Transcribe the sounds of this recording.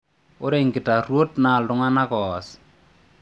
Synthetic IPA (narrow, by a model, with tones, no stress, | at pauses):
o˦ɾe˦˨ŋɡɪ˨ta˨ɾwo˦tna˨lʊ˦ŋa˦na˦kɔ˨ɔ˨s